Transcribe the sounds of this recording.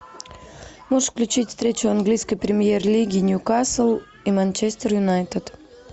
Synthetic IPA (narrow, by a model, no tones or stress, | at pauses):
moʂfklʲʉt͡ɕitʲfst̪ɾʲet͡ɕʊanɡlʲijskəjpɾʲɪmʲjerlʲiɡʲɪnʲukasəlˠ | imanʲt͡ɕesʲt̪ʲərjʊnajt̪ət̪